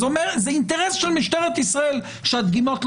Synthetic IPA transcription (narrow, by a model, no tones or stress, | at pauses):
omeʁzeint̪eʁesʃelmiʃt̪eʁet̪isʁael | ʃead̪ɡimo̞tl